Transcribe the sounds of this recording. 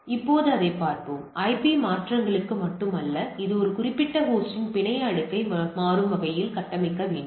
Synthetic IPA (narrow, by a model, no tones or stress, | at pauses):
ɪpːoːðɯɐðɐɪpːaːɾpoːmɐɪpimaːʈrɐŋɡɐɭɯkːɯmɐʈːɯmɐlːɐɪðɯɔɾɯkʊrɪpːɪʈːɐɦuːsɪnpɪɳɐjlɐɽɯkːɐɪmaːɾɯmːɐɣɐjɪlkɐʈːɐmɐɪkːɐʋeːɳɖɯm